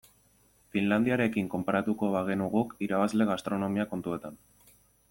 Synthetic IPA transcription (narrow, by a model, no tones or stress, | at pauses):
finland̪iaɾe̞kiŋko̞mpaɾat̪uko̞βaɣe̞nuɣukiɾaβazle̞ɣ̞ast̪ɾo̞no̞miako̞nt̪ue̞t̪an